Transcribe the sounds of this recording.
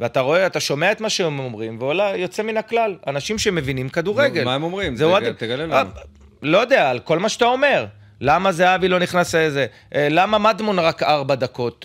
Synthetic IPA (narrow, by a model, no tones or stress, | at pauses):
veat̪aʁo̞eat̪aʃo̞me̞ae̞t̪maʃeemomʁimveolajo̞t͡se̞minaklalanaʃimʃeme̞vinimkad̪uʁeɡe̞lmaemomʁimzeuaeɡlea | lo̞jod̪eaːlko̞lmaʃat̪ao̞me̞ʁ | lamazeavilo̞niχnaseeze | ʔlamamad̪monʁakaʁbad̪ako̞t̪